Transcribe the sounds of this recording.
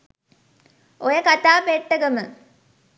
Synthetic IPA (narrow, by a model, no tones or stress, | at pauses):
ojəkat̪aːpeʈːəɡəmə